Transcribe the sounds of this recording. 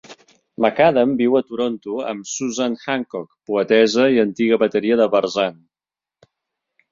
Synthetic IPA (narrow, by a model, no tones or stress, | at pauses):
məkaðəmbiwət̪uɾont̪uə̰msuzanxaŋkɔkpuət̪ɛzəiənt̪iɣəβət̪əɾiəðəβəɾzan